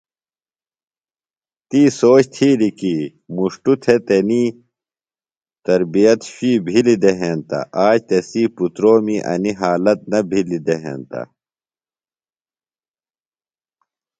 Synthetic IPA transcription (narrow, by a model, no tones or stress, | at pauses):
t̪iːsoːt͡ɕt̪ʰiːɾiki | muʂʈut̪ʰet̪eniː | t̪ɐɾbijɐt̪ɕiːbʱilid̪eɦeːnt̪ɐ̰ʔaːt͡ɕt̪esiːput̪ɾoːmiʔɐ̰niɦaːlɐt̪̚nɐbʱilid̪eɦḛːnt̪ɐ̰